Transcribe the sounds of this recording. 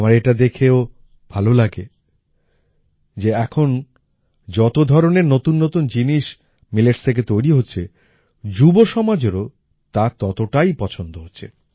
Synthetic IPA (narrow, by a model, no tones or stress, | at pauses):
amaɾeʈad̪ekʰeo | bʱalolaɡe | d͡ʑeɛkʰon | d͡ʑɔt̪od̪ʱɔɾoneɾnot̪unːot̪und͡ʑiniʃ | mileʈst̪ʰek̬et̪ojɾiɦotːɕʰe | d͡ʑuboʃɔmad͡ʑeɾo | t̪at̪ɔt̪oʈajpɔt͡ɕʰond̪oɦotːɕʰḛ